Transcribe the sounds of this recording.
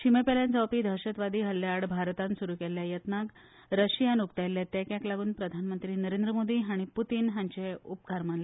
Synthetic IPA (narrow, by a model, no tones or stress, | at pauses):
ɕimepeljãnt͡sawpiːd̪ʱəɾɕət̪ʋad̪iːɦəlːaːɽbʱaɾt̪ansuɾuːkɛljajət̪nak | ɾəɕijanukt̪ajlːat̪akjaklaɡuːnpɾəd̪ʱanmənt̪ɾiːnəɾẽnd̪ɾəmod̪iːɦaɽ̃iput̪iːnɦãɲt͡ɕeup̚kaɾmanle